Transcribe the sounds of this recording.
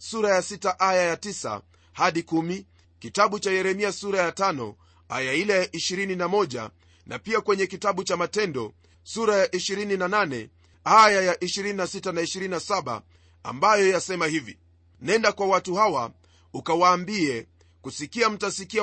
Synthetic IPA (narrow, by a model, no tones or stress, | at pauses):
suɾajasitaʔajajatisa̰ | haɗikumi | kitaɓut͡ʃajɛɾɛmiasuɾajatanɔ̰ | ajailajaʔiʃiɾininamɔʄa̰ | nʔa̰piakwɛɲɛkitaɓut͡ʃamatɛndɔ̰ | suɾajaʔiʃiɾininananɛ̰ | ajajaʔiʃiɾininasitanaiʃiɾininasaɓa̰ | a̰mbajɔjasɛmahivḭ | nɛndakwawatuhawa | ukawaːmbiɛ | kusikiam̩tasikia